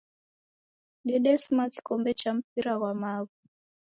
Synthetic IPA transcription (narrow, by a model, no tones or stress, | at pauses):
ɗɛɗɛsimaki̥kɔmbɛt͡ʃam̩p̚iɾaɣwamaɣi